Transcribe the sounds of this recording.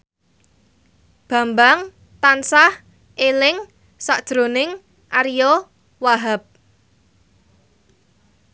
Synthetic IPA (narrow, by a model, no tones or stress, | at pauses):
b̥ä̤mbaŋ | t̪ansah | ʔelɪŋ | saʔd̥ʒ̥ɾo̤nɪŋ | ʔaɾijo | waɦap̚